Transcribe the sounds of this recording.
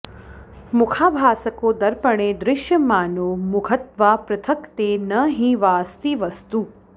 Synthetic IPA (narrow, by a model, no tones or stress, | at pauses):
mʊkʰaːbʱaːsəkod̪əɾpəɽ̃ed̪ɾɪʃjəmaːnoːmʊɡʰʱət̪ʋapɾɐt̪ʰəkt̪enəɦĩʋaːst̪iʋəst̪u